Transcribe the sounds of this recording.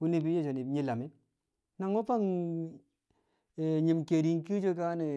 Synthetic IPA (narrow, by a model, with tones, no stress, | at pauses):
u˦ni˨pi˦je˦˨t͡ʃo˨ni˨pɲi˦la˨me˦ | na˨ŋo˦pa˦ŋ | e˨ɲi˨mke˨ɾi˨ŋ˦ki˦d͡ʒo˦ka˦ne˨